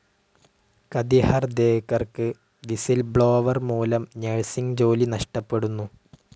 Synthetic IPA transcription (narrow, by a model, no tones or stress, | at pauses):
kɐd̪ihɐrd̪eːkːɐrkɨ | ʋisilbɭo̞ːʋɐrmuːlɐmneɻsiŋd͡ʑo̞ːlinɐʂʈɐpːe̞ɽunːu